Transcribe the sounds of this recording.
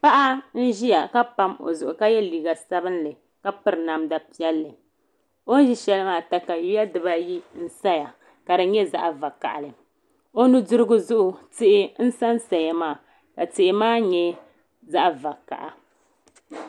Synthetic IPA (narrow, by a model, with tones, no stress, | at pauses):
pa˦ʔa˦n̩˦ʒi˦ja˨ka˦pa˦mo̰˨zʊ˨ʔʊ˨ka˦jɛ˦liː˨ɡa˨sa˦bɨ˦n˦lɨ˨ | ka˦pɨ˨ɾɨ˨na˨mda˨pi˦ɛ˦lːɨ˨ | o˦n˦ʒi˦ʃɛ˦lɨ˦maː˨ta˨ka˨ju˦ja˦dɨ˨ba˦ji˦n̩˦sa˦ja˨ | ka˨dɨ˨ɲɛ˦za̰˦ʔa˨va˨ka̰˨ʔa̰˨lɨ˨ | o˦nu˦dʊ˦ɾɨ˦ɡʊ˦zʊ˦ʔʊ˨tɪ˦ʔɪ˦n̩˦sa˦nsa˨ja˨maː˦˨ | ka˨tɪ˨ʔɪ˨maː˦ɲɛ˦ | za˦ʔva˨ka̰˨ʔa˨